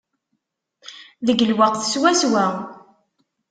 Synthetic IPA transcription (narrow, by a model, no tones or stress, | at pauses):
ðəɡlwaqθə̥swæswæ